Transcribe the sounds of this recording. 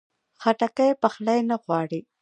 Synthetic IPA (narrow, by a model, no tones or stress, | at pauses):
xaʈakajpaxlajnaɣwɑːɽi